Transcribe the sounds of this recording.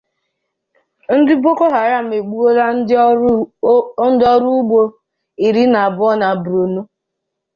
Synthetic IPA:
n̩˦dɪ˦bo˦ko˦ɦa˨ɾa˦˨m̩˨e˨ɡ͡bu˦o˦la˦n̩˦ | n̩˦dɔ˦ɾu˦ɡ͡bo˦ | i˨ɾi˦na˨a˨bʊ˦ɔ˦na˨bɾo˨nu˦

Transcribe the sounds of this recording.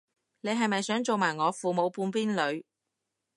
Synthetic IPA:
ne˨˧jɦɐ˨jmɐ˨jsœː˨˥ŋt͡so˨wmaː˨˩jŋɔː˨˧fuː˨mo˨˧wpuː˧npiː˥nlɵ˨˧ɥ

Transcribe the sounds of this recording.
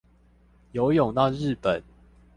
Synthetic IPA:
jo˨˦ʊjo˨˩ŋna˥˧ʊɻ̩˥˨pə˨˩˦n

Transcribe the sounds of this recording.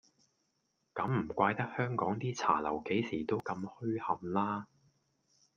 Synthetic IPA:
kɐ˨˥mːm̩˨˩kʷaː˧jt̪ɐ˥k̚hœː˥ŋkɔː˨˥ŋt̪iː˥t͡sʰa̰ː˨˩lɐ˨˩wke˨˥jsiː˨˩t̪o˥wkɐ˧mhɵ˥ɥhɐ˨mlaː˥

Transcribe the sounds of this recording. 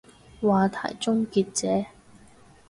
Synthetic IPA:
waː˨˧t̪ʰa̰ː˨˩jt͡sʊ˥ŋkiː˧t̚t͡sɛː˨˦

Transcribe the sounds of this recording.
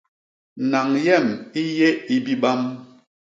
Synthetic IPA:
na˨ŋjɛ˦˨mi˦je˦i˦bi˦ɓa˦m

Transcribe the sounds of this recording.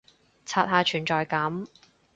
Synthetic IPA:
t͡sʰaː˨˧t̚haː˨˧t͡ʃʰyː˨˩nt͡ʃɔː˨jkɐ˨˥m

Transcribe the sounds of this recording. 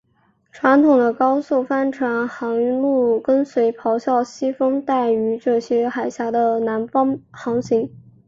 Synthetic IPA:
ʈ͡ʂʰwa˧˥nt̪ʰʊ˨˩ŋd̪ə˦kɑ˥ʊso˥˩ʊfa˥nʈ͡ʂʰwa˧˥nxɑ˧˥ŋy˧˥lu˥˩kə˥nswe˧˥ɪpʰɑ˧˥ʊɕjɑ˥˩ʊɕi˥fɤ˥ŋt̪a˥˩ɪy˧˥ʈ͡ʂɤ˥˩ɕjɛ˥xa˨˩ɪɕja˧˥d̪ə˧na˧˥nfɑ˥ŋxɑ˧˥ŋɕi˧˥ŋ

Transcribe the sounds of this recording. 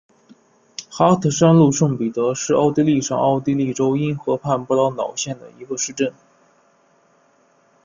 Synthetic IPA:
xa˥t̪ʰɤ˨˩ʂa˥nlu˥˧ʂɤ˥˩ŋpi˨˩t̪ɤ˧˥ʂɻ̩˥˧ɑ˥˧ʊt̪i˥li˥˩ʂɑ̰˨˩ŋɑ˥˧ʊt̪i˥li˥˩ʈ͡ʂo˥ʊi˥nxɤ˧˥pʰa˥˧npu˥˩lɑ˧˥ʊnɑ˨˩ʊɕjɛ˥˩nd̪ə̰˩i˧˥ɡə˧ʂɻ̩˥˧ʈ͡ʂə˥˩n

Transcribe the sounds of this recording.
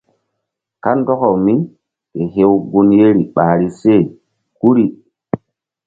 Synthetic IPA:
ka˦ndɔ˦kɔ˨wmi˦ | ke˨ɦe˦wɡu˦nje˦ɾi˨ɓa˨ɾi˦se˦˨ | ku˦ɾi˦˨

